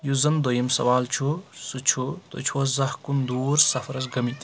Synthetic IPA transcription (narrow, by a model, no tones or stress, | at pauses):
juzɐnd̪ojɐmsɐ̰ʋaːlt͡ʃʰusut͡ʃʰut̪o̰t͡ʃʰozɐhkund̪uːɾsɐpʰɐɾɐsɡɐmit̪